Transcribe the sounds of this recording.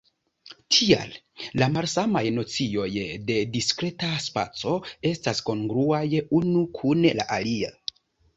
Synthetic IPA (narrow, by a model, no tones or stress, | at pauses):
tʰia̰l | lamalsamajno̞t͡sio̞jde̞diskɾe̞taspa̰t͡so̞e̞stasko̞ŋɡɾuajunukʰunla̰ʔalia